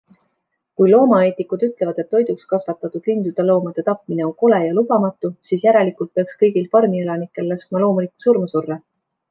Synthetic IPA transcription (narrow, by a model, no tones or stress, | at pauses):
kujlo̞ːmɑe̞ːt̪ikud̪̥yt̪ˑlevɑd̪̥e̞t̪ːo̞jd̪̥ukskɑsvɑt̪ːˑɑt̪ud̪̥lind̪̥ud̪̥elo̞ːmɑd̪̥e̞t̪ɑpˑmine̞o̞ŋko̞le̞jɑlub̥ɑmɑt̪ːˑusiːsjæɾe̞likˑult̪̚peɑkskɤ̞jɡ̥ilfɑrmie̞lɑnikːˑe̞lːɑskmɑlo̞ːmuliku̥suɾmɑsurːe